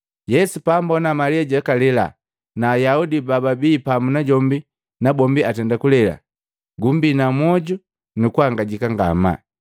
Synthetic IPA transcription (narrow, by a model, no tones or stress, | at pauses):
jɛsupambɔnamaliaɟɛkalɛla̰ | naːjaudibababiːpamunaɟɔmbi | nabɔmbiatɛndakulɛla̰ | ɡumbinamwɔɟu | nukuhaŋɡaɟikaŋɡa̰ma̰